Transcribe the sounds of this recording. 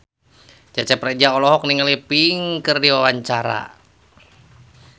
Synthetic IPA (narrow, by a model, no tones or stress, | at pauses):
t͡ʃat͡ʃɛpɾɛd͡ʒaɔlɔɦɔk̚niŋəlipiŋkərdiwawaɲt͡ʃaɾa̰